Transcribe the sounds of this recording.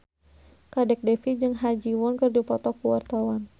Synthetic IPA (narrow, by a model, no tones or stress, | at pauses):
kadɛk̚dɛfid͡ʒɨŋɦad͡ʒiwɔnkɨrdupɔt̪ɔkuwa̰rt̪awan